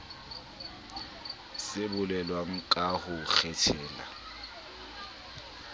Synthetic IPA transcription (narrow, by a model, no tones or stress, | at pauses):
sɪbʊlɛlwaŋ̩kʼaɣʊk͡xʰɛtʰɛːla̰